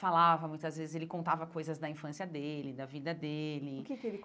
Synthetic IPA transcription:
falavɐmũj̃t̪ɐzvezɪzelɪkõnt̪avɐkojzɐzd̪ɐĩfɐ̃siɐd̪elɪd̪ɐvid̪ɐd̪elɪʊkɪkelɪ

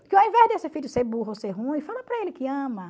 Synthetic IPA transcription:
kɪawĩvɛʒd̪esɪfiʎʊseɾbuɦoseɦũĩfalɐpɾɐelɪkɪɐ̃mɐ

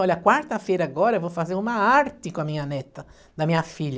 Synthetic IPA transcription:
ɔlakwaɾt̪ɐfeɾaɡɔɾɐvofazeɾumaaɾt̪ikõamiɲɐnɛt̪ːɐ | d̪amiɲɐfiʎ

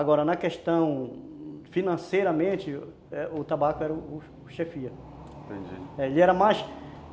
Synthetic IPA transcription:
aɡɔɾɐnɐkeʃt̪ɐ̃w̃ | finɐ̃sejɾɐmẽt͡ʃɪ | ɛʊt̪abakʊɛɾɐʊʊ | ʊʃefiɐ | t̪ḛ̃d͡ʒḭɛelɪɛɾɐmajs

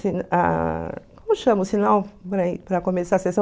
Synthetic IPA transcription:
sina̰kõmʊʃɐ̃mʊsinawpɾɐpɾɐkõmesaɾɐsesɐ̃

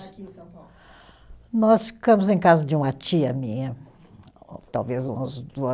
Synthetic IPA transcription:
nɔsfi̥kɐ̃mʊzẽj̃kazɐd͡ʒɪũmɐt͡ʃiɐmĩɲɐ | ot̪awvezũzd̪uɐ

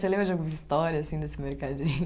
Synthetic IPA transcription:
selẽbɾɐd͡ʒoãɡuzist̪ɔɾjɐasĩd̪esɪmeɾkad͡ʒĩɲʊ

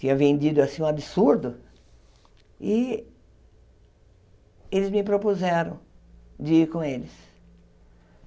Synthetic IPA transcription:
t͡ʃĩɲɐ̃vẽnd̪id̪ʊasĩũabisuɾd̪ʊ | ɪ | elɪzmɪpɾopuzɛɾɐ̃w̃d͡ʒɪiɾkõelɪs

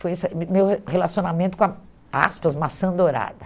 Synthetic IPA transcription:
fojɛsɐmewhelasionamẽnt̪ʊ̥kõɐ | a̰spɐzmasɐ̃nd̪oɾa̰d̪ɐ

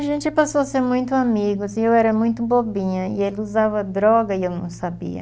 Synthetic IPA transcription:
ʒẽnt͡ʃɪpasoɐseɾmũj̃t̪ʊamiɡʊsɪ̃ewɛɾɐmũj̃t̪ʊbobĩɲɐɪelɪuzavɐd̪ɾɔɡɐɪewnɐ̰̃w̃sabḭɐ̰

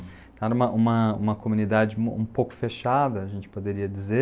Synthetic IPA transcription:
ɛɾɐũmɐʔũmɐũmɐkomũnid̪ad͡ʒɪṵ̃powkʊ̥feʃad̪ɐɐʒẽnt͡ʃɪ̥pod̪eɾiɐd͡ʒize

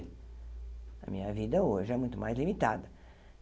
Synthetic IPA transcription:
ɐ̰mĩɲɐvid̪ɐoʒɪɛmũj̃t̪ʊmajzlimit̪ad̪ɐ

